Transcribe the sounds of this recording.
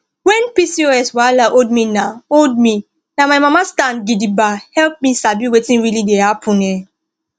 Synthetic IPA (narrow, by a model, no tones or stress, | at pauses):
wɛ̃npisioɛswalaʔold̚minaold̚mi | namaɪmamastãnɡidibahɛlp̚misabiwetĩnɹilidehapʰʊ̃nɛ